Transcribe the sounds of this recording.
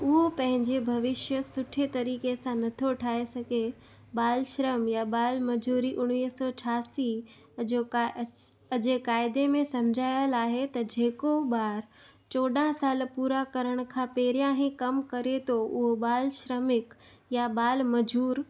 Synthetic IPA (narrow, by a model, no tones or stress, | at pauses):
ʊɦopɐ̃ɦɪ̃ɲd͡ʑebʱɐʋɪʃjəsʊʈʰet̪ɐɾiːkesãnɐt̪ʰoʈʰaːesɐɡʱe | baːlʃɾəmjabaːlmɐd͡ʑuːɾiʔʊɽ̃iːɦsɔːt͡ʃʰaːsi | o | ɐd͡ʑekaːɪd̪emẽsɐmd͡ʑʱaːjəlaːɦet̪ɐd͡ʑeːkobaːɾ | t͡ɕoːɖãsaːlpuːɾakɐɾəɽ̃kʰãpeːɾjãɦĩkɐmkɐɾet̪ʰoʊɦobaːlʃɾəmɪk | jabaːlmɐd͡ʑuːɾ